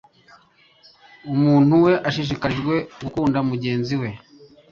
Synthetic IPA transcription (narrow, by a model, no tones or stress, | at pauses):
umuːn̥huwe̞ʔaʃiʃ̬ikaɾiʒɡwe̞ɡukuːndamuɟe̞ːnziwe̞